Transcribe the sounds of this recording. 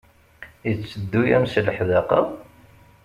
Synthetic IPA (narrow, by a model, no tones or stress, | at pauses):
jt͡sːəd̪ːujæmsləħðɑqɑ